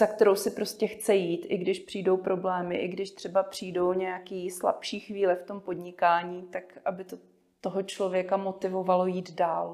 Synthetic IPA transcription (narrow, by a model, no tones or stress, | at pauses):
z̥akt̪ɛɾo̞wsɪpɾo̞scɛxt͡sɛjiːt̪ʔɪɡdɪʃpr̝̥iːdo̞wpɾo̞blɛːmɪʔɪɡdɪʃt̪r̥ɛbapr̝̥ijdo̞wɲɛjakiːsla̰pʃiːxviːlɛft̪o̞mpo̞dɲɪkaːɲiːt̪akʔabɪt̪o | t̪oɦot͡ʃlo̞vjɛkamo̞t̪ɪvo̞valo̞jiːd̪daːl